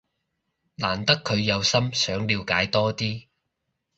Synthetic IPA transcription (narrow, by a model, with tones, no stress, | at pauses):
laː˨˩nt̪ɐ˥kʰːɵ˨˧ɥjɐ˨˧wsɐ˥msœː˨˥ŋliː˨˧wkaː˨˥jt̪ɔː˥t̪iː˥